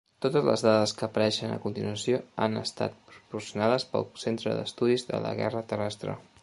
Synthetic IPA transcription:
t̪ot̪əzlə̰zðaðəskəːpəɾɛʃənə̰kunt̪inuəsjoanəst̪a̰t̪̚pɾupursiunaðəspəlˠsent̪ɾəðəst̪uðizðə̰lə̰ɣɛ̰rət̪ərɛst̪ɾə̰

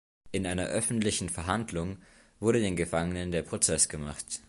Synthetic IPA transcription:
ʔɪnʔaɪnɐʔœfn̩tlɪçn̩fɛɐɦandlʊŋ | v̥ʊɐɾədeːnɡəfaŋənəndeːɐpʁ̥ot͡sɛsɡ̥əma̰χt

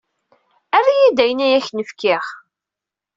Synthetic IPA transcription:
ærːijid̪æjənæjæçnəfkɪχ

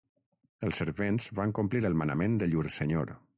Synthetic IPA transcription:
əlˠsəɾβenzβaŋkumpliɾəlˠmənəmẽnd̪əʎuɾsəɲo̰ɾ

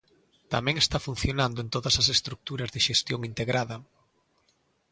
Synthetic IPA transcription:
t̪amɛ̃ŋest̪afun̟θjonand̪ʊent̪oðɐsɐsest̪ɾuk̚t̪uɾɐzðeʃest̪joŋint̪eɣɾaðɐ

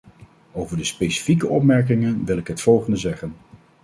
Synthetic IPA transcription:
owvəɹdəspejsi̥fikəɔpmɛɹk̬ɪŋənʋɪlˠɪkɦətfɔlˠχəndəzɛχən

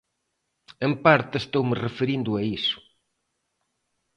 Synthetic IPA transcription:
empaɾt̪ɪest̪owmerefeɾind̪ʊɐisʊ̥

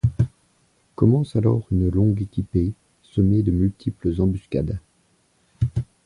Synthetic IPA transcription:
kɔmɑ̃salɔ̰ʁynlɔ̃ɡekʲipe | sɔmed̪əmylt̪ʰipləzɑ̃byskʲa̰d̪

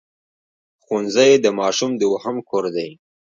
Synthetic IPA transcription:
xunzajed̪əmɑʃumd̪əwahamkʰoɾd̪aj

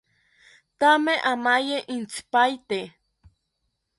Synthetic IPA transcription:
t̪ameʔamajeʔint͡spajt̪e

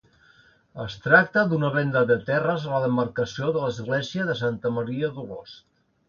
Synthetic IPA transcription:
əst̪ɾak̚t̪əd̪unəβɛnd̪əðət̪ɛrəzələðəmərkəsioðələzɣleziəðəsant̪əməɾiəðuɣo̰st̪

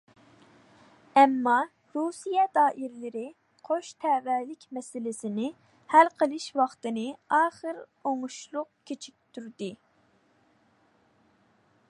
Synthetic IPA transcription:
ɛmːɑ | ɾusijɛd̪ɑːʔiɾlɪɾɪ | qʰoʃt̪ʰɛvɛlɪkʲmɛsɪlɪsɪnɪ | hælqʰəlˠɪʃwɑχt̪ɨnɨɑːχəɾoŋuʃlˠʊqkʲʰet͡ʃʰik̚ʲt̪ʰyɾd̪ɪ

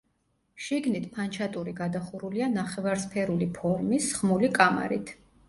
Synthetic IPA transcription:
ʃiɡnit̪ʰpʰant͡ʃʰat̪ʼuɾiɡad̪aχuɾulianaχɛvaɾspʰɛɾulipʰɔɾmisχmulikʼama̰ɾḭt̪ʰ

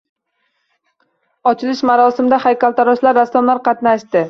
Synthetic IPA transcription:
ɒt͡ʃʰɪlɪʃmaɾɒsɪmd̪ahajkʲalˠt̪ʰaɾɒʃlaɾːaslˠamlaɾqʰɑt̪naʃt̪ɪ

